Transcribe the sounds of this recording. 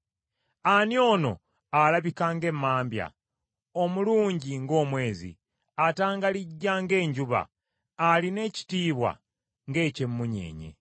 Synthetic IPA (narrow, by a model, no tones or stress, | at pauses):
anjo̞ːno̞̰ | alaβikaːŋɡe̞mːaːmbja̰ | omuluːɲɟiŋɡo̞ːmwe̞ːzḭ | ataːŋɡaliɟːaŋɡe̞ːɲɟuβa̰ː | line̞ci̥tiːβwa̰ | ŋɡe̞ːcemːuɲe̞̰ːɲḛ